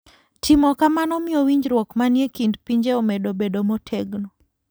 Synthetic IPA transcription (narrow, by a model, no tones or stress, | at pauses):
tʰimɔkamanɔmɪɔwiɲd͡ʒɾwɔkmanjekindpiɲd͡ʒeomedobedomotʰeɡno